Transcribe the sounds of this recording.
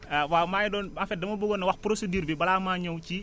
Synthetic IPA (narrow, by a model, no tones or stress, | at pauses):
awamaːjdɔːnɐ̃nfɛdɐmɐboɡonːɐwɐxpɾosediːɾbibɐlaːmaːɲɔwt͡ʃi